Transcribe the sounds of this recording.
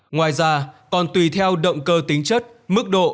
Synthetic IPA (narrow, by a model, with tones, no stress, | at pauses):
ŋwaː˨˩jzaː˧kɔ˨˩nt̪wi˨˩t̪ʰɛ˧wɗə̰˧˨wŋ͡mkəː˧t̪ï˨˦ŋ̟t͡ɕə˦˥t̚mɨ˦˥k̚ɗo̰˧˨